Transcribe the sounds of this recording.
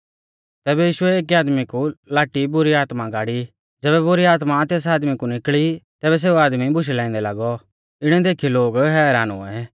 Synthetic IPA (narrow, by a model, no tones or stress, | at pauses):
t̪ɛːbɛjiːʃʊɛeːk̬iaːd̪mikulaːʈibʊɾiaːt̪mãɡaːɽi | d͡ʒɛːβɛbʊɾiaːt̪mat̪eːs̬aːd̪mikunɪkɭit̪ɛːβɛs̬eːuaːd̪mibʊʃ̬ɛlɛ̃ːɪ̃nd̪ɛlaɡɔ | ɪɽ̃ɛ̃d̪eːkʰiloːɡɦɛːɾaːnṵɛ